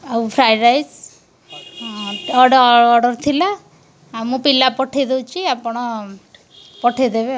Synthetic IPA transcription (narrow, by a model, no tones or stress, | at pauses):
aupʰɾajɾajs | ɔɖɔɖɔɾt̪ʰilaː | mũpilapɔʈʰid̪ewt͡ʃʰiapɔɽ̃ɔ | pɔʈʰed̪ebe